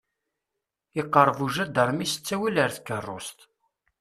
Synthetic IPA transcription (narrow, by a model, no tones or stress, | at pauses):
ɪqːəɾˤːəvuʒæd̪əɾˤmisə̥t͡sːæwiləɾθkːərˤːo̰st̪